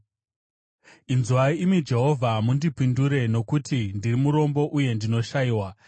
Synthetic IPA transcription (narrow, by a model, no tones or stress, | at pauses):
inzuwaimid͡ʒe̞ɦo̞vʱamundipinduɾe̞no̞kutindirimuɾo̞mbo̞ʔuje̞ndino̞ʃaiwa